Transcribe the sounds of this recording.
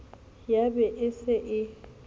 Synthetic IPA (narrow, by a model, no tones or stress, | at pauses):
jabɛʔɪsɪʔɪ